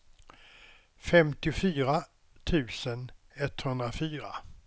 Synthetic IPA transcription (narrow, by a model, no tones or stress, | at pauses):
fɛmt̪ɪʊfyːɾa | t̪ʰʉ̟ːsən | ɛt̪ːhɵnd̪ɾafyːɾa̰